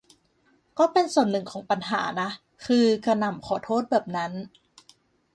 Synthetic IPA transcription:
kɔː˥˩pe˧nsu˨˩ənːɯ˨˩ŋkʰɔː˩˦ŋpa˧nɦa̰ː˩˦na˦˥ | kʰɯː˧ka˧na˨˩mkʰɔː˨˩˦t̪ʰoː˥˩t̪̚bɛː˨˩p̚na˦˥n

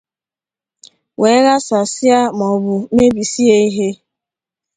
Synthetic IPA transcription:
we˨˦ɣa˦sa˨sja˦m˨ɔ˨bʊ˨me˦bi˨si˦e˦i˦ɦe˦

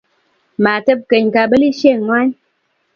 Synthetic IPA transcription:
ma˨tə˦p̚kə˨ɲka˨bə˦li˦ʃe˦˨ŋwa˦ɲ

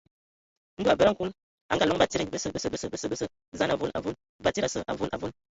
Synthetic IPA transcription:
n̩˦du˦a˨bə˦ɾa˦ŋ˦ku˦n | a̰˨ŋɡa˦˨lɔ˦ŋba˦˨ti˦ɾbə˦sə˨bə˦sə˨bə˦sə˨bə˦sə˦˨bə˦sə˦ | za˦a˨vo˦na̰˨vo˦n | ba˦ti˦ɾa˨sə̰˨ʔa̰˨vo˦nʔa̰˨vo˦n

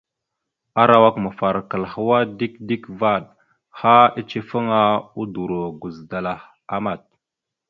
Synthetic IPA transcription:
a˦ɾa˨wa˦kmə˨fa˨ɾkə˨lhə˦wa˦di˦kdi˦kva˦˨ɗ | ha˦i˦t͡ʃi˦fə˦ŋa˦u˦du˨ɾo˨ɡu˨zda˨la˨h | a˨ma˨t̚

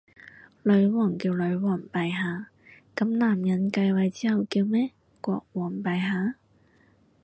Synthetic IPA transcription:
lɵ˨˧˥ɥwɔː˨˩ŋkiː˧wlɵ˨˧˥ɥwɔː˨˩ŋpɐ˨jɦaː˨˧ | kɐ˨˥mnaː˨˩mjɐ˨˥nkɐ˧jwɐ˨jt͡siː˥hɐ˨wkiː˧wmɛː˥ | kʷɔ̰ː˧k̚wɔː˨˩ŋpɐ˨jɦaː˨˥

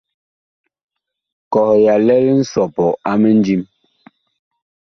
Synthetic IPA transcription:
kɔ˨hja˨lɛ˦ln̩˦sɔ˨pɔ˨a˦me˦n˦d͡ʒi˦m

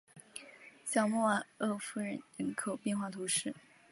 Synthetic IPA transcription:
ɕjɑ˨˩ʊmɔ˥˩a˨˩ɤ˥˩fu˥ɻə˧˥nɻə˧˥nkʰo˨˩ʊpjɛ˥˧nxwa˥˩t̪ʰu˧˥ʂɻ̩˥˩

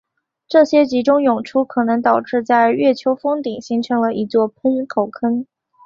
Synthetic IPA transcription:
ʈ͡ʂɤ˥˩ɕjɛ˥t͡ɕi˧˥ʈ͡ʂʊ˥ŋjʊ˨˩ŋʈ͡ʂʰu˥kʰɤ˨˩nɤ˧˥ŋt̪ɑ˨˩ʊʈ͡ʂɻ̩˥˧t͡sa˥˧ɪɥɛ˥˩t͡ɕʰjo˧˥ʊfɤ˥ŋt̪i˨˩˦ŋɕi˧˥ŋʈ͡ʂʰɤ˧˥ŋlə˧ʔi˧˥t͡swɔ˥˩pʰə˥nkʰo˨˩ʊkʰə˥n

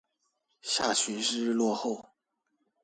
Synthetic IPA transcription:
ɕja˥˩t͡ɕʰy˧˥nʂɻ̩˥lwɔ˥˧xo˥˩ʊ

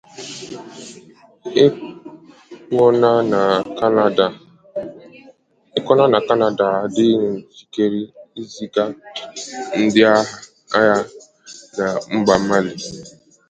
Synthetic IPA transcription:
ɔ˦na˦˨˦ | ɪ˦kɔ˦na˦na˨ka˦na˦da˨a˨dɪ˦n̩˨fi̥˨ke˨ɾi˦i˦zi˦ɡa˦ | n̩˦dɪ˦a˦ɦa˦ | a˦ja˦ | na˨ŋ͡m̩˦ɡ͡ba˨ma˦li˨

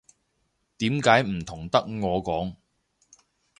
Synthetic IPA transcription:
t̪iː˨˥mkaː˨˥jm̩˨˩t̪ʰʊ˨˩ŋt̪ɐ˥k̚ŋɔː˨˧kɔː˨˥ŋ

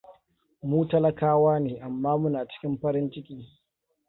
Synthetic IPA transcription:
muː˦tɐ˦lɐ˨kaː˦waː˦neː˨ʔa˨mːaː˦mʊ˦naː˨t͡ʃɪ̥˦kʲɪ˦mɸɐ˦ɾɪ˦nt͡ʃɪ˦kʲiː˦

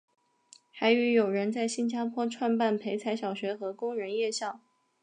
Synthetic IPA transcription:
xa˧˥ɪy˧˥jo˨˩ʊɻə˧˥nt͡sa˥˩ɪɕi˥nt͡ɕja˥pʰwɔ˥ʈ͡ʂʰwa˥˧npa˥˩npʰe˧˥ɪt͡sʰa˧˥ɪɕjɑ˨˩ʊɕɥɛ˧˥xɤ˧˥kʊ˥ŋɻə˧˥njɛ˥˧ɕjɑ˥˩ʊ

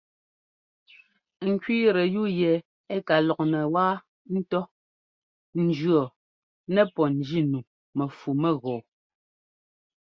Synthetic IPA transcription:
ŋ̩˨kɥiː˦ɾɛ˨ju˦˨jɛ˨ | ɛ˦ka˨lɔ˨k̚nɛ˨waː˦ | n̩˦tɔ˦ | n̩˨d͡ʒɰɔ˨ | nɛ˦˨pɔ˨n̩˨d͡ʒi˦nu˨ | mɛ˨fu˨mɛ˦˨ɣɔː˨

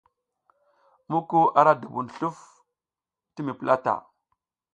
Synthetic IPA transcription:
mu˦ku˦a˨ɾa˦du˨bu˨nɬu˦f | ti˦mi˨pə˦la˦ta̰˨

